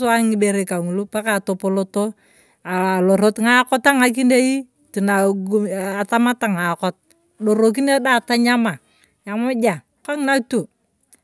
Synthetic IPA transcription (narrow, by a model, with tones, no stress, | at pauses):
sa˦ŋɪ˨˦be˨ɾe˨ka˨ŋu˨lu˦pa˦ka˨to˨po˨˦lo˦to˦ | aː˨lo˨ɾo˦tŋa˦kɔ˦ta˦ŋa˨k̬i˦ne˦i˦ | ti˨na˨ɡu˦a˨ta˦ma˦ta˨ŋa˨kɔ˦t̚ | lo˨ɾo˨k̬i˦ne˦da˦˨ta˦ɲa˦ma˨ | ja˨mʊ˦d͡ʒa˨ | ka˦ŋ˦na˦tu˨